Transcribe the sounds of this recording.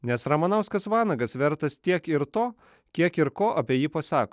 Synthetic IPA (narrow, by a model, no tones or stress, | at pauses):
nʲɛsɾɐmɐnɐʊskɐsʋɑːnɐɡɐsʋʲɛɾt̪ɐst̪ʲiɛkɪɾt̪oː | kʲiɛkɪɾkoːʔɐpʲiɛjiːpɐsɑːkoː